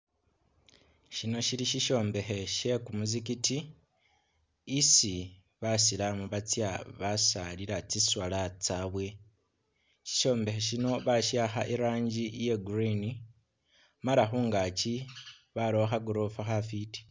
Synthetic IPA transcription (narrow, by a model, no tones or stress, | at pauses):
ʃino̞ʃiliʃiʃo̞ːmbe̞xe̞ʃe̞kumuzikiti | isi | βasilamuβat͡sjaβasaliɾat͡siswalat͡saːβwe̞ | ʃi̥ʃo̞ːmbe̞xe̞ʃino̞βaʃaxaʔeɾaːɲɟije̞ɡɾini | malaxuːŋɡaci | βaloxaɡoɾofaxafiti̥